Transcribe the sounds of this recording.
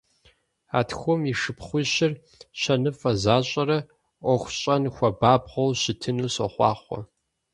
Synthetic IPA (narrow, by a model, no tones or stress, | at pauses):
a̰ːtʰxʷɔmiʂɨpχʷʊɕɪr | ɕɐnɨfʼɐzaːɕʼɐɾɐ | ʔʷɔxʷɕʼɐnxʷɐbaːbʁɐwɕɪtʰɨnuːɕɐχʷɑːχʷɔ̰